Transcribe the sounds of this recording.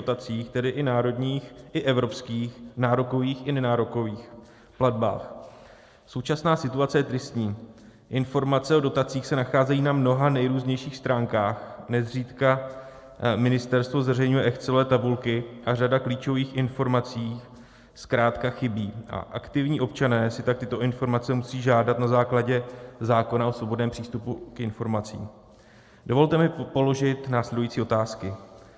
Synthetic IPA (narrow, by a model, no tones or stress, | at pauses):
ot̪at͡siːxt̪ɛdɪʔɪnaːɾo̞dɲiːxʔɪʔɛvɾo̞pskiːxnaːɾoko̞viːxɪnɛnaːɾoko̞viːx | pladba̰ːx | so̞wt͡ʃasnaːsɪt̪uat͡sɛjɛt̪ɾɪst̪ɲiː | ʔɪnfo̞ɾmat͡sɛo̞do̞t̪at͡siːxsɛnaxaːzɛjiːnamno̞ɦanɛjɾuːzɲɛjʃiːxst̪ɾaːŋkaːxnɛzr̝iːt̪ka | mɪnɪst̪ɛɾst̪vo̞zvɛrɛjɲujɛʔɛxt͡sɛlɛːt̪abulkɪʔar̝adakliːt͡ʃo̞viːxʔɪnfo̞ɾmat͡siː | skɾaːt̪kaxɪbiːʔa̰ʔakt̪ɪvɲiːʔo̞p̚t͡ʃanɛːsɪt̪ak̚t̪ɪt̪o̞ʔɪnfo̞ɾmat͡sɛmusiːʒaːdat̪nazaːklaɟɛzaːko̞naʔo̞svo̞bo̞dnɛːmpr̥iːst̪upukɪnfo̞ɾmat͡sḭːm | do̞vo̞lt̪ɛmɪpo̞lo̞ʒɪt̪naːslɛdujiːt͡siːʔo̞t̪aːskɪ